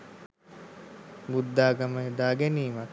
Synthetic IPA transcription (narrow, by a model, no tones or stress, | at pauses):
bud̪ːaːɡaməɦed̪aːɡɛniːmak